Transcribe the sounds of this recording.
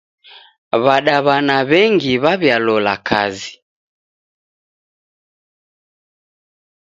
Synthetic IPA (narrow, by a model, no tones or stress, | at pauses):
βaɗaβanaβɛŋɡiβaβjalɔlakʰa̰zi